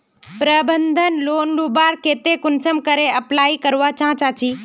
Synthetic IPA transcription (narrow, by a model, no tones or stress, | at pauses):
pɾəbə̃nd̪ʱənloːnluːbaːɾkeːt̪ekʊnsəmkɐɾeɐplaːikɐɾʋat͡ɕãːt͡ɕaːt͡ɕiː